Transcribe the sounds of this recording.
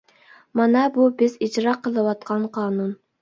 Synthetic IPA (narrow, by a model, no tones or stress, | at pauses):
mɑnɑbubɪzid͡ʒɾɑqʰːəlˠɨwɑt̪̚qʰɑnqʰɑːnun